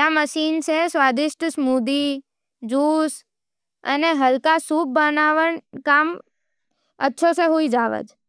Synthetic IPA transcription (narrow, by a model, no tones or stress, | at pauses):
jaməʃint͡ʃʰesʋad̪ɪʃʈəsmud̪i | d͡ʒus | ə̰neɦəlkasub̚bənaʋəɳkam | ətːʃʰoseɦoid͡ʒaʋə̰d͡ʒ